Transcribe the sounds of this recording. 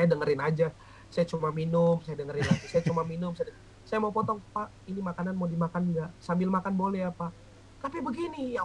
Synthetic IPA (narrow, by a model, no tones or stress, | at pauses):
sajadəŋəɾɪnad͡ʒa | sajat͡ʃumaminʊmsajadəŋəɾɪnatusajat͡ʃumaminʊmsajad | sajamaupɔt̪ɔŋpaʔinimakananmadimakanɡaʔsambɪlmakanbolɛapa | t̪apəbəɡinija